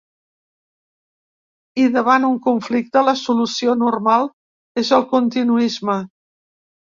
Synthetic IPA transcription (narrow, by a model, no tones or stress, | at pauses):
iðəβ̞anuŋkuɱflik̚t̪ələsulusionurmalˠ | ezəlˠkunt̪inuizmə